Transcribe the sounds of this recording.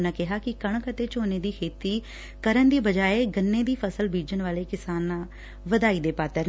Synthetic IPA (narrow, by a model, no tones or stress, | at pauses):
nãːkɪɦaːkɪkəɳkət̪eːt͡ʃoːneːd̪iːkʰeːt̪iː | kəɾənd̪iːbəd͡ʒaːeːɡənːẽːd̪iːpʰəsəlbiːd͡ʒənʋaːleːkɪsaːnːãː | ʋəd̪aːiːd̪eːpaːt̪əɾ